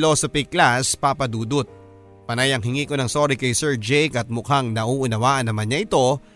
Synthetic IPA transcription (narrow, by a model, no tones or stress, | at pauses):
loːsopiklaspapɐd̪uːd̪ʊt̪̚ | pɐnajɐŋɦɪŋiːkonɐŋsoːɾikɐjsɛɹd͡ʒɛjkɐt̪̚mʊkaŋnɐʔuːʔʊnɐwaːʔɐnːɐmanɲɐʔɪt̪o̞